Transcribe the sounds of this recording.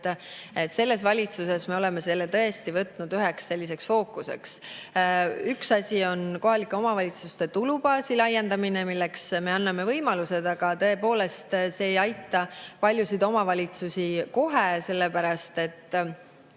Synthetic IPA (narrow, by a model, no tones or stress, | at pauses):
e̞t̪se̞lːe̞s̬vɑlʲit̪suse̞sme̞o̞le̞me̞selːet̪ɤ̞e̞st̪ivɤt̪ˑnud̪̥yɦe̞ksːe̞lːise̞ksfo̞ːkːˑuse̞̰ks | yksɑsʲio̞nko̞ɦɑlikːˑe̞o̞mɑvɑlʲit̪sust̪e̞t̪ulubɑːsilɑjːe̞nd̪̥ɑminemilːeksme̞ɑnːɑme̞vɤjmɑluse̞d̪̥ɑɡ̥ɑt̪ɤe̞po̞ːle̞st̪se̞ːjɑjt̪ːˑɑpɑlʲjusid̪o̞mɑvɑlʲit̪susʲiko̞ɦe̞se̞lːepæɾɑst̪e̞t̪ː